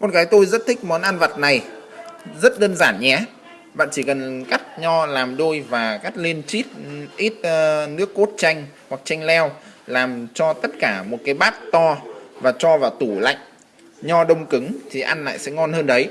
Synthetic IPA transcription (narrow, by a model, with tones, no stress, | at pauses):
mɔ˨˩nkaː˨˦jt̪o˧jzə˦˥t̚t̪ʰï˦˥k̟̚mɔ˨˦nʔa˧nva˨˩t̚na˨˩j | zə˦˥t̚ɗəː˧nzaː˧˩nɲɛ˨˦ | ɓa̰ː˧˨nt͡ɕi˧˩kə˨˩nka˦˥k̚ɲɔ˧laː˨˩mɗo˧jvaː˨˩ka˦˥k̚le˧nt͡ɕi˦˥t̚ʔi˦˥t̚nɨ˦˥əkːo˦˥t̚t͡ɕa˧jŋ̟hwa˨˩k̚t͡ɕa˧jŋ̟lɛ˧wlaː˨˩mt͡ɕɔ˧t̪ə˦˥t̚kaː˧˩mo˨˩t̚kaː˨˦jɓaː˦˥t̚t̪ɔ˧vaː˨˩t͡ɕɔ˧vaː˨˩wt̪u˧˩la̰˧˨jŋ̟ | ɲɔ˧ɗə˧wŋ͡mkɨ˨˦ŋt̪ʰi˨˩ʔa˧nla̰ː˧˨jsɛ̰˧˥ŋɔ˧nhəː˧nɗə˨˦j